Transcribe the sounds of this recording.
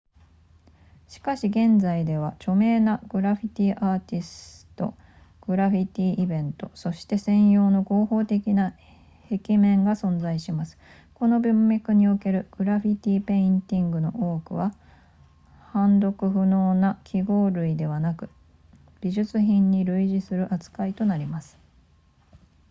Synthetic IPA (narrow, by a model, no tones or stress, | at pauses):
ɕi̥kaɕiɡẽ̞nd͡zaid̪e̞β̞at͡ɕo̞me̞ːnaɡ̥ɯ̟ɾaɸʲit̪ʲiːʔaːt̪ʲisɨ̥ɨ̥t̪o̞̰ | ɡ̥ɯ̟ɾaɸʲit̪ʲiːʔibẽ̞nt̪o̞so̞ɕi̥t̪e̞sẽ̞ɰ̃jo̞ːno̞ɡo̞ːho̞ːt̪e̞kʲina | he̞kʲimẽ̞ŋɡasõ̞nd͡zaiɕimasɨ̥ | ko̞no̞bʲɯ̃mːʲakɯ̟ɲ̟io̞ke̞ɾɯ̟ɡ̥ɯ̟ɾaɸʲit̪ʲiːpe̞ĩnt̪ʲĩŋɡɯ̟no̞ʔo̞ːkɯ̟βa | hãnd̪o̞kɯ̟ɸɯ̟no̞ːnakʲʰiɡo̞ːɾɯ̟id̪e̞βanakɯ̟̥ | b̥ʲiʑɨt͡sɨçĩɲ̟ːiɾɯ̟iʑisɨɾɯ̟ʔat͡sɨ̥kait̪o̞naɾʲimasɨ̥